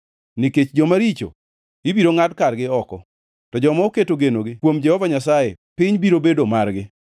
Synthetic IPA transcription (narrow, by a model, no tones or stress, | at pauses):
nɪket͡ʃd͡ʒɔmaɾit͡ʃo̰ | ɪbiɾoŋadkarɡɪɔkɔ̰ | tɔd͡ʒɔmaoketoɡenoɡɪkwomd͡ʒɛhɔvaɲasajepɪɲbiɾobedomarɡɪ